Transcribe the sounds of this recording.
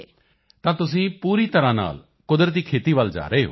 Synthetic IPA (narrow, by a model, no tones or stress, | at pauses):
t̪ãːt̪ʊsĩːpuːɾiːt̪əɾãːna̰ːl | kʊd̪ɾət̪iːkʰeːt̪iːʋəld͡ʒa̰ːɾeːɦo̰ː